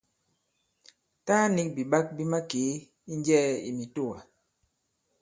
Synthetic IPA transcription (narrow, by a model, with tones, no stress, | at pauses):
ta˦ni˦k̚bi˨ɓa˦k̚bi˦ma˦ke˨˦ | i˦n˦d͡ʒɛ˦ḭ˨mi˨to˦˨wa˨